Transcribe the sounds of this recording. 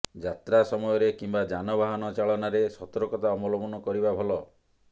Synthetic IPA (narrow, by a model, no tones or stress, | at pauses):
d͡ʒat̪ɾasɔmɔjɔɾekimbad͡ʒanɔbaɦɔnɔt͡ʃaɭɔnaɾesɔt̪ɔɾɔkɔt̪aɔmulɔpɔnɔkɔɾibabʱɔlɔ